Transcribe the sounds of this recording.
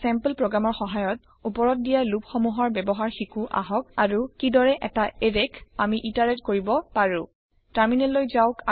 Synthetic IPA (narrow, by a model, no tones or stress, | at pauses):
sɛmpəlpɹoɡɹamɔɹxɔɦajɔt̚ | upɔɹɔt̚dijalupxɔmuɦɔɹbɛbɔɦaɹxikuʔa̰ɦɔk̚aɹukidɔɹɛʔɛtaeɹekamiʔitaɹɛtkoɹibɔpaɹʊ̃ | taɹminɛlːojzawka